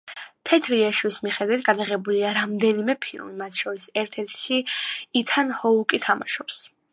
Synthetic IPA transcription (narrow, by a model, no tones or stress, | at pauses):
t̪ʰɛt̪ʰɾiaʃwismiχɛd̪wit̪ʰɡad̪aʁɛbuliaɾamd̪ɛnimɛpʰḭlˠmimat̪ʰʃɔɾisɛɾt̪ʰɛɾt̪ʰʃiit̪ʰanhɔukʼit̪ʰama̰ʃɔps